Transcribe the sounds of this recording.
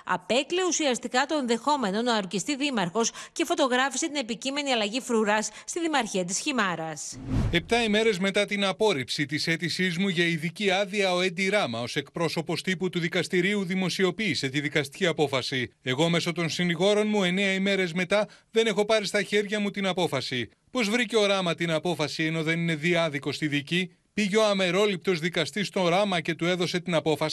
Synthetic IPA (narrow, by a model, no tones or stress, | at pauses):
ɐ̰pe̞kleusiɐst̪ikɐt̪o̞e̞nðe̞xo̞me̞no̞nɐːɾcist̪iðimɐɾxo̞sce̞fo̞t̪o̞ɣɾɐfi̥se̞t̪ine̞picime̞niɐlɐʝifɾuɾɐsːt̪iðimɐɾçiɐt̪isçimɐɾɐse̞p̚t̪ɐime̞ɾe̞zme̞t̪ɐt̪inɐpo̞ɾipsit̪ise̞t̪isizmuʝɐiðiciɐðiɐo̞end̪iɾɐmɐo̞se̞kpɾo̞so̞po̞st̪iput̪uðikɐst̪iɾiuðimo̞sio̞piːse̞t̪iðikɐst̪i̥ciɐpo̞fɐsie̞ɣo̞me̞so̞t̪o̞nsiniɣo̞ɾo̞nmue̞ne̞ɐime̞ɾe̞zme̞t̪ɐðe̞ne̞xo̞pɐɾist̪ɐçe̞ɾʝɐmut̪inɐpo̞fɐsi | po̞zvɾice̞o̞ɾɐmɐt̪inɐpo̞fɐsie̞no̞ðe̞nine̞ðiɐðiko̞st̪iðici | piʝeo̞ɐme̞ɾo̞lip̚t̪o̞zðikɐst̪ist̪o̞ɾɐmɐce̞t̪ue̞ðo̞se̞t̪inɐpo̞fɐsi